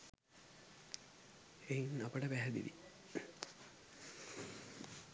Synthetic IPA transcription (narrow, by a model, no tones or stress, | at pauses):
ejiŋapəʈəpæɦæd̪ḭʋḭ